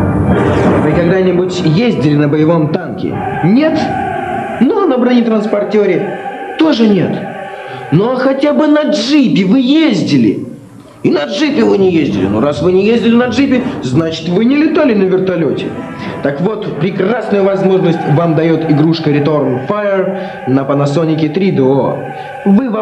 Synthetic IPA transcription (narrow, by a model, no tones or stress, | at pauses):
vɨkɐɡd̪anʲɪbʊtʲjezʲdʲɪlʲɪnəbəjɪvo̞mt̪ankʲɪ̰nʲe̞t̪ | nonɐbɾanʲɪt̪ɾənspɐrtʲoɾʲɪ | t̪o̞ʐɨnʲe̞t̪ | noxɐtʲabɨnɐʐɨpʲɪvɨjezʲdʲɪlʲɪ̰ | inɐʐɨpʲɪvɨnʲɪjezʲdʲɪlʲɪ̰noɾasvɨnʲɪjezʲdʲɪlʲɪnɐʐɨpʲɪznat͡ɕɪ̥t̪vɨnʲɪlʲɪt̪alʲɪnəvʲɪrt̪ɐlʲotʲɪ | t̪akvo̞t̪pɾʲɪkrasnʊjʊvɐzmo̞ʐnəsʲtʲvamd̪ɐjot̪ɪɡɾuʂkəɾʲɪt̪o̞rmfajɪr | nəpənɐsonʲɪkʲɪt̪ɾʲid̪o | vɨva